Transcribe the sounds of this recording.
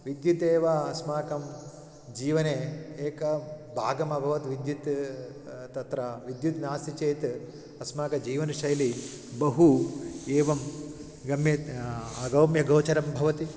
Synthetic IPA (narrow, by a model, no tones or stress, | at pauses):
ʋid̪jut̪eːʋɐɐsmaːkɐm | d͡ʒiːʋɐneːeːkɐbʱaːɡɐmɐbʱɐʋɐt̪ʋid̪jut̪ | t̪ɐt̪ɾɐʋid̪jut̪naːsit͡ʃeːt̪ | ɐsmaːkɐd͡ʒiːʋɐnɐʃɐjli | bɐɦueːʋɐm | ɡɐmjɐɐɡɐwmjɐɡɐwt͡ʃɐɾɐmbʱɐʋɐt̪i